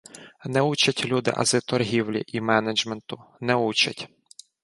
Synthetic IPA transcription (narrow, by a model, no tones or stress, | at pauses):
nɛut͡ʃɐtʲlʲud̪ɪ̰ʔɐ̰zɪt̪ɔrɦʲiwlʲḭʔimɛned͡ʒment̪ʊnɛut͡ʃɐ̰tʲ